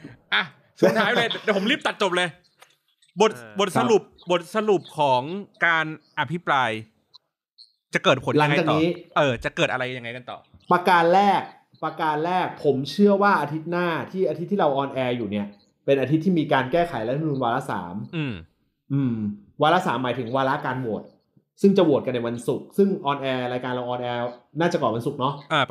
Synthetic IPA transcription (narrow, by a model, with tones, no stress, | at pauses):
ʔa˧˩ | su˨˩t̪ʰaː˦˥jlɤː˧dɛ˨˩pʰo˩˦ɾli˥˩pt̪a˨˩t̪̚t͡ɕo˨˩p̚lɤ˧j | bo˨˩t̪̚bo˨˩t̪̚sa˧ɾu˨˩p̚bo˨˩t̪̚sa˧ɾu˨˩p̚kʰɔː˩˦ŋkaː˧nʔa˧pʰi˦˥pɾaː˧j | t͡ɕa˨˩kɤː˨˩t̪̚pʰo˩˦la˩a˦˧ŋ˧jaː˨˩k̪ɔ˨niː˦˥ʔɤː˧t͡ɕa˨˩kɤː˨˩t̪̚ʔa˧ɾa˧jja˧ŋa˧jka˧nt̪ɔ̰ː˨˩ | pɾa˧kaː˧nlɛː˥˩k̚ | pɾa˧kaː˧nlɛː˥˩k̚pʰo˩˦mt͡ɕʰɯ˥˩ɐwaː˥˩ʔaː˧t̪ʰi˦˥t̪̚naː˥˩t̪ʰiː˥˩ʔa˧t̪ʰi˦˥t̪ʰːiː˥˩ɾa˧wʔɔː˧nʔɛː˧juː˨˩ni˦˥˩ɐ | pe˧nʔaː˧t̪ʰi˦˥t̪ʰːiː˥˩miː˧kaː˧nkɛː˥˩kʰa˨˩˦jlɛ˦˥t̪ʰnuː˧nwaː˧ɾa˦˥sa̰ː˩˦mʔɯː˧˩m | ʔɯː˧mwaː˧la˦˥saː˩˦mːaː˩˦t̪ʰɯ˩˦ŋwaː˧ɾa˦˥kaː˧nbu˨˩ət̪̚ | sɯ˥˩ŋt͡ɕa˨˩bu˨˩ət̪̚ka˧nːa˧jwa˧nsu˨˩k̚sɯ˥˩ŋʔɔː˧nʔɛː˧ɾaː˧jkaː˧nɾa˧wʔɔː˧nʔɛː˧naː˥˩t͡ɕa˨˩kɔː˨˩nwa˧nsu˨˩k̚nɔ˦˥ʔaː˧˩